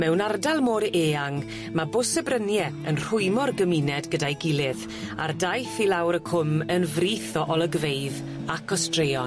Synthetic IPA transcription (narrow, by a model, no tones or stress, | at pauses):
mɛwnardalˠmoːɾeːaŋ | mabʊsəbrənjɛənr̥ʊɨmɔrɡəminɛdɡədajɡɪlˠɪð | a̰rdajθilawɾəkʰʊmənvriːθɔʔɔlˠəɡvejð | akʰɔstrejɔ